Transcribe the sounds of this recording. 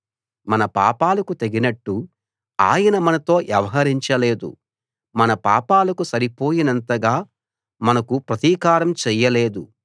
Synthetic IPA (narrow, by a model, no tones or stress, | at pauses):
mɐnɐpa̰ːpaːlɐkut̪eɡinɐʈːu | a̰ːjɐnɐmɐnɐt̪o̞ːʔjɛʋɐɦɐɾiɲt͡ʃɐleːd̪ṵ | mɐnɐpa̰ːpaːlɐkusɐɾipo̞ːjinɐnt̪ɐɡaː | mɐnɐkupɾɐt̪iːkaːɾɐmt͡ʃɛjːɐleːd̪u